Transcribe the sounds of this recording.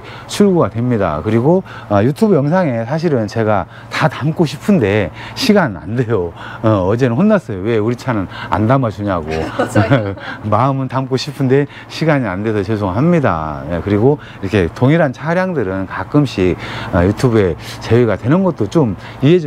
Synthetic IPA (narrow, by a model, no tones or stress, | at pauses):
t͡ɕʰuɭɡuɡadwe̞mɲida̰kɯɾiɡo | ʌjutʰubjʌŋs̬ʰaŋe̞sʰaɕ̬ʰiɾɯnt͡ɕe̞ɡa | tatamk͈oɕʰi̥pʰɯnde̞ɕʰiɡana̰nde̞joʌd͡ʑe̞nɯnɸonːas͈ʌjowe̞uɾit͡ɕʰanɯna̰ndamat͡ɕuɲaɡo | maɯmɯntamk͈oɕʰipʰɯnde̞ | ɕʰiɡaɲia̰nde̞sʰʌt͡ɕʰes̬ʰoŋɦamɲida̰ekɯɾiɡo | iɾʌkʰe̞toŋiɾant͡ɕʰaɾjaŋdɯɾɯnkak͈ɯmɕʰik̚ʌjutʰubue̞t͡ɕe̞weɡadwe̞nɯnɡʌt̚t͈ot͡ɕom | iɦed͡ʑ